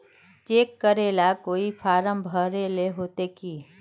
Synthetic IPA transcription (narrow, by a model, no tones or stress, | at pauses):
t͡ʃeːkːəɾeːlakoːipʰaːɾəmbʱəɾeːleɦoːt̪ekiː